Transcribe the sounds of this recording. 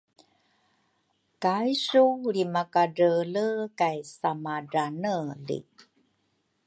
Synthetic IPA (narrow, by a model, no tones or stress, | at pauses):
kajsuɾimakaɾələkajsamaɖanəlḭ